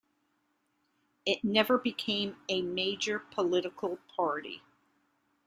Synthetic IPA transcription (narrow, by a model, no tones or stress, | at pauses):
ɨtⁿnɛvə˞bɨkʰẽɪ̃mɨmeɪd͡ʒə˞pʰəlɪɾɨkʰl̩ˠpʰɑɹɾḭ